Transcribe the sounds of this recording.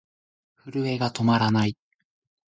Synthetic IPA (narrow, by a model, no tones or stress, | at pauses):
ɸɯɾɯ̟e̞ɡat̪o̞maɾanai